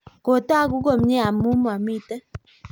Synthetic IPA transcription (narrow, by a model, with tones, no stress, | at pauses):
ko˨ta˦˨ku˦ɡo˦˨m˦ɲe˦a˨mu˦ma˨mi˦˨tə˦